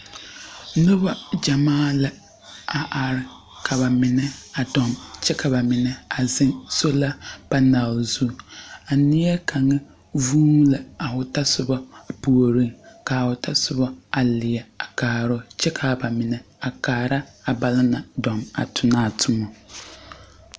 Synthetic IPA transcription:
nʊ˦ba˨d͡ʒa˨maː˦˨la˨ | a˨ʔa˨ɾɪ˨ | kʰa˨βa˨mɪ˨nɛ˦a˨dɔ˨mt͡ʃɛ˦kʰa˨ba˨mɪ˨nɛ˨a˨zɪ̃˦ŋso˦la˦b̥a˦na˨lzu˦a˨nɪ˦ɛ˦kʰa˨ŋɛ˦ | vuː˦la˨a˨ʊ˨ta˦sʊ˦˨ba˦a˨pu˨o˨ɾi˦ŋka˨ʊ˨tʰa˦sʊ˦ba˦a˨lɪ˨ɛ˨a˨kaː˨ɾɔ˦t͡ʃɛ˦kʰa˨ba˨mɪ˨nɛ˨a˨kaː˨ɾa˦a˨ba˨lɪ˦na˨dɔ˨ma̰˨tʰʊ˨naː˦˨tʰʊ˨mɔ˨

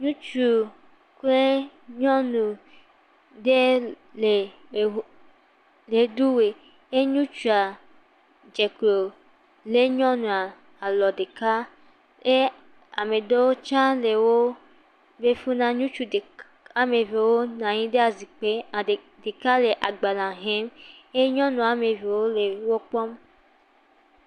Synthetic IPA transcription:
ɲũ˦t͡ʃu˨ | ke˦ɲɔ̃˦nũ˨ | de˦ | le˨˦ | le˨du˦we˨ | e˦ɲũ˦t͡ʃu˨a˨ | d͡ʒe˨klo˨ | le˦ɲɔ̃˦nũ˨a˨ | a˨lɔ˨de˨ka˦ | e˦ | a˨me˨do˦wo˦t͡ʃã˦le˨wo˦ | be˦fu˦nã˦ɲũ˦t͡ʃu˨de˨ | a˨me˨ve˨wo˦nã˨ɲĩ˦de˦a˨zi˨k͡pe˦˨ | de˨ka˦le˨ʔa˨ɡ͡ba˨la˨ɦe˦me˦ɲɔ̃˦nũ˨a˨me˨ve˨wo˦le˨˦wo˦k͡pɔ˦m

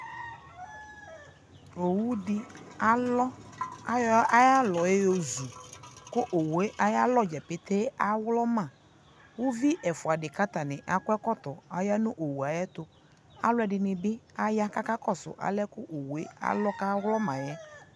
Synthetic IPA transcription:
o˨wu˦dɪ˦a˦lɔ˦a˦jɔ˦a˦ja˦lɔ˨je˦jo˨zu˨kʊ˦ʔo˨we˦ʔa˨ja˦lɔ˦d͡ʒɛ˨pɪ˨t̪e˦a˦wlɔ˦mã˨ | wʊ˦vi˦ʔɛ˨fʊ˨a˨dɪ˨ka˦t̪a˨nɪ̃˨ʔa˨kʊ˦ɛ˦kɔ˦t̪ɔ˨a˨ja˦nʊ̃˦ʔo˨wu˨a˨jɛ˦t̪ʊ˨ | a̰˦lʊ˦ɛ˨dɪ˨nɪ˨bɪ˦a˦ja˦ka˦ka˦kɔ˦sʊ̰˨ʔa̰˨lɛ˦kʊ˦ʔo˨wu˨e˦a̰˦lɔ˦ka˦wlɔ˦mã˨jɛ˦

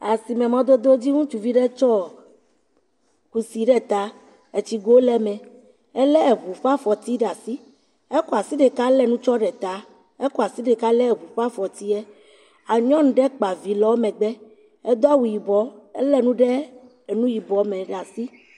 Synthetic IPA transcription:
a˨si˨mɛ̃˨mɔ̃˦d̪o˦d̪o˦d͡ʑi˦ŋũ˦t͡ʃu˨vi˦ɖɛ˦t͡ʃɔ˦ | ku˨si˨ɖɛ˦t̪a˨ | e˨t͡ɕi˨ɡo˦lɛ˦mɛ̃˨ | ɛ˦lɛ˦e˨βu˨ɸa˦fɔ˨t̪i˦ɖa˨si˦ | e˦kɔ˨a˨si˦ɖɛ˨ka˦lɛ˦nũ˦t͡ʃɔ˦ɖɛ˨t̪a˨ | ɛ˦kɔ˨a˨si˦ɖɛ˨ka˦lɛ˦˨βu˨ɸa˦fɔ˨t̪i˦ɛ˦ | a˨ɲɔ̃˦ñ˨ɖɛ˦k͡pa˨vi˨lɔ˦mɛ̃˨ɡ͡bɛ˦ | ɛ˦d̪o˦a˦wu˨ji˨bɔ˨˦ɛ˦lɛ˦nũ˦ɖɛ˦˨ | nũ˦ji˨bɔ˨mɛ̃˨ɖa˨si˦

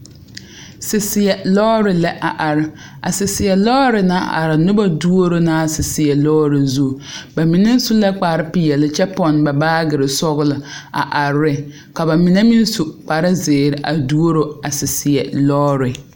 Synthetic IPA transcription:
sɪ˨sɪ˨jɛ˨lɔː˦ɾɪ˨lɛ˦ʔa˨ʔa˨ɾɪ˦ | a̰˨sɪ˨sɪ˨jɛ˨lɔː˦ɾɪ˨na̰˦˨ʔa̰˨ɾɪ˨nʊ˦ba˦du˦o˦ɾo˦na˦˨sɪ˨sɪ˨jɛ˨lɔː˦ɾɪ˨zu˦˨ba˨mi˨nɪ˦n˦su˦la˦k͡pa˨ɾɪ˦pi˨jɛ˨lɪ˦t͡ʃɛ˦pɔ˨nba˨baː˦ɡɪ˨ɾɪ˨sɔ˦ɣʊ˦lɪ˨a̰˨ʔa˨ɾːɪ˦ | ka˨ba˨mi˨ne˦mi˦n˦su˨k͡pa˨ɾɪ˦zɪː˨ɾɪ˨ʔa˨du˦o˦ɾo˦a˨sɪ˨sɪ˨ɛ˨lɔː˦ɾɪ˨

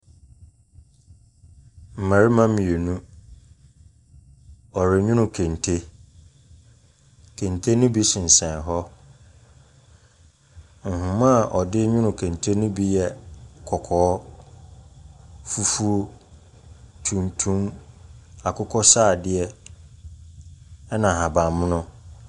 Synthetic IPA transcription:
m̩˨mã˨ɾi˦mã˦mĩ˨e˨nũ˦ | ɔ˨ɾɪ˨ɲᶣʊ̃˦nʊ̃˨kʰẽ˨ntʰe˦ | kʰẽ˨ntʰe˦nũ˦bi˦sɪ̃˨n̩˨sɛ̃˨nɦɔ˦ | ŋ̩˨hʊ̃˨mã˦˨ʔɔ˨dɪ˦ɲʊ̃˦nʊ̃˨kʰẽ˨ntʰe˦nũ˦bi˦jɛ˨kʰɔ˨kʰɔː˨˦ | fu˦fu˦o˦ | tʰũ˨mtʰũ˦m | a˨kʰʊ˦kʰɔ˦saː˦˨dɪ˦ɛ˦ | ɛ˦nã˨ɦã˨bã˨mʊ̃˦nʊ̃˦

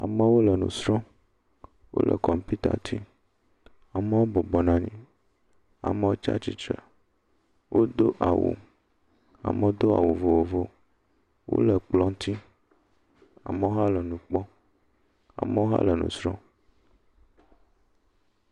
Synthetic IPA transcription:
a̰˨mə˦wo˦lə˨nṵ̃˨sɾɔ̃˦ | wo̰˦lʔə̰˨kɔ˨mpi˦t̪a̰˨t̪ʰi˦ | a˨mə˦wo˦bɔ˨bɔ˨nã˨ɲĩ˦ | a̰˨mə˦wo˦t͡ʃa̰˦t͡ɕi˦t͡ʃɾə˨ | wʔo˦d̪o˦ʔa˨wṵ˨ | a̰˨mə̃˨wo˦d̪o˦a̰˨wu˨vo˨wo˨vo˦ | wo̰˦lə˨k͡plɔ˦ŋ˦t̪ʰi˦ | a̰˨mə˦wo˦ɦa˦lə˨nũ˨k͡pɔ˦ | a̰˨mə˦wo˦ɦa̰˦lə˨nṵ̃˨sɾɔ̃˦

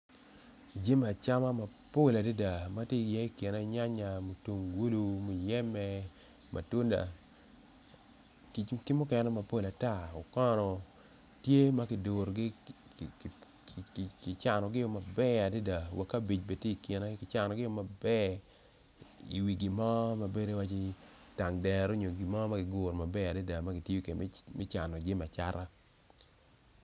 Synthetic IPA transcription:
d͡ʒe˦m˨a˨t͡ʃa˦ma˦ma˨po˦˨la˨de˦da˨ma˦tje˦˨jɛ˦i˦˨ke˨ne˦i˦ɲa˦ɲa˨mo˨tu˨ŋɡu˦lu˦mo˨jɛ˦mɛ˦ | mʔa̰˨tu˦nda̰˨ | kkɪ˦mʊ˦kɛ˨nɛ˦ma˨po˦˨la˨ta˦˨ɔ˨kɔ˦nɔ˨ | tje˦ma˦kɪ˨do˨ɾɡɪ˦˨ | kɪ˨t͡ʃa˨nɔ˨ɡɪ˦jo˨ma˨bɛ˦a˨de˦da˨wa˨kːa˦bi˨t͡ʃbe˨tje˦i˨kje˨na˦kɪ˨t͡ʃa˨nɔ˨ɡɪ˦jo˨ma˨bɛ˦ | ḭ˨wi˨ɡi˨mɔ˦ma˨be˦de˦wa˦t͡ʃɪ˦ | ta˨ŋdɛ˨ɾo˦ɲo˨ɡi˨mɔ˦ma˦ɡɪ˨ɡʊ˨ɾma˨bɛ˦a˨de˦da˨ma˦ɡɪ˨tjjo˦ke˨˦mɪ˦t͡ʃa˨nɔ˨d͡ʒɪ˦ma˨t͡ʃa̰˦ɾa˦

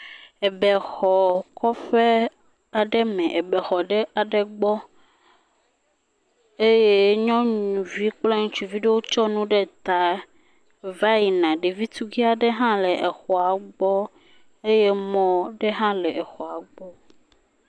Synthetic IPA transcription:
e˨bɛ˨xɔ˨kɔ˦fe˦ | a˨ɖɛ˦mɛ̃˨ʔe˨bɛ˨xɔ˨ɖɛ˦a˨ɖɛ˨ɡ͡bɔ˦ | e˦je˦ɲɔ̃˦ɲũ˨vi˦k͡plɛ˦ŋũ˦t͡ʃu˨vi˦ɖe˦wo˦t͡ʃɔ˦nũ˦ɖe˦t̪a˨˦ | va˦ji˨nã˨ɖe˨vi˦t̪u˦ɡi˦a˨ɖe˦ɦã˦lɛ˨ʔe˨xɔ˨a˨ɡ͡bɔ˦ | e˦je˦mɔ̃˦ɖe˦ɦã˦lɛ˨ʔe˨xɔ˨a˨ɡ͡bɔ˦

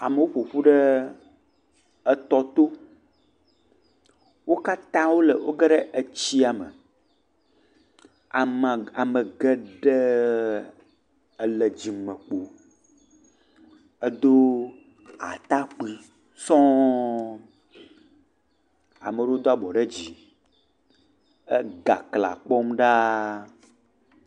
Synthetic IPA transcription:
a˨mə˨wo˦ɸo˨ɸu˦ɖə˦ | ə˦t̪ɔ˦t̪o˦ | wo˦ka˦t̪ã˦wo˦le˨wʔo̰˦ɡɛ˦ɖɛ˦ʔe˨t͡ɕi˦a˨mə̰˨ | a˨m˨a˨mə˨ɡɛ˦ɖɛ˦˨ | lɛ˨d͡ʑi˨mə˨k͡po˨ | ə˦d̪o˦ | a̰˨t̪a˦k͡pi˦ | sɔ̃˦ | a̰˨mə˨ɖo˦d̪o˦a˦bɔ˨ɖe˦d͡ʑi˨ | ə˦ɡa̰˨kla̰˨k͡pɔ˦mɖa˦

